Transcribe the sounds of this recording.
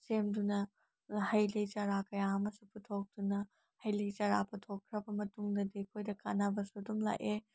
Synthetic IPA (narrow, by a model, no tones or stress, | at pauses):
semdunɐ | hɐjlɐjt͡ʃɐɾakɐjaɐmɐsuputʰok̚dunɐ | hɐjlit͡ʃɐɾapɐtʰokʰːɾɐbɐmɐtuŋdɐdikʰojdɐka̰nabɐsudumla̰ʔe